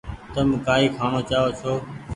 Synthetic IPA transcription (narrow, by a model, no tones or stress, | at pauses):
t̪əmkaːiːkʰaːɳoːt͡ʃaːʋoːt͡ʃʰoː